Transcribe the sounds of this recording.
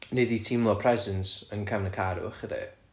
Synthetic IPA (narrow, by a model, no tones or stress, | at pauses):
neditʰimlˠɔpʰrɛzənsənkʰamnəkʰaːɾṵχədɛ̰